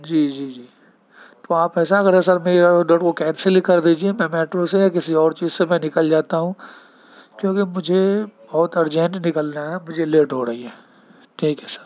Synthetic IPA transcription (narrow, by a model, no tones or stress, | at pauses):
d͡ʒiːd͡ʒiːd͡ʒiː | t̪oaːpɛːsaɐɡəɾɛs̬ɐɾmeːɾiɐɽoɖɐɽkokɛːt̪selɪkːɐɾd̪iːd͡ʒiemɛ̃mɛːʈɾõsejak̬ɪsiɔːɾt͡ʃiːzsemɛ̃nɪkəld͡ʒaːt̪aɦũː | kjõːkimʊd͡ʒʱebɔɦʊt̪ɐɾd͡ʒɛ̃ɳʈnɪkəlnaɦɛmʊd͡ʒʱeleːʈɦoɾɐɦiɦɛː | ʈʰiːkɦɛːsɐ̥ɾ